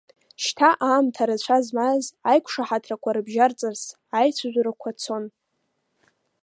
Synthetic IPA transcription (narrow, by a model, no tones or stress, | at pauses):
ʃtʰaʔaːmtʰaɾɨt͡ɕʷʰazmazajkʷʰʂaħatʰrakʷʰaɾɨbʒart͡sʼɨrs | ajt͡sʷʰazʷɾakʷʰat͡sʰo̞n